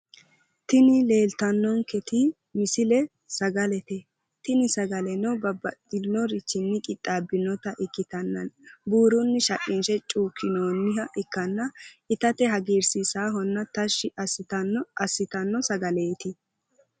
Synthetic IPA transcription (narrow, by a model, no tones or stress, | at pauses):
t̪ɪnɪle̞ːlt̪ɐnːɔŋkɛt̪ɪ | mɪsɪlɛ | sɐɡɐlɛt̪ɛ | t̪ɪnɪsɐɡɐlɛnɔbɐbɐd̪ɪnɔɾɪt͡ʃːɪnːɪkʼɪt̪ʼːaːbːɪnɔt̪ɐʔɪkːɪt̪ɐnːɐnbuːɾʊnːɪʃɐkʼːinʃɛt͡ʃʼuːkʰːɪnoːnːɪɦɐʔɪkːɐnːɐɪt̪ɐt̪ɛɦɐɡeːɾsɪsaːɦɔnːɐt̪ɐʃːɪʔɐsɪt̪ɐnɐsːɪt̪ɐnːɔsɐɡɐleːt̪ɪ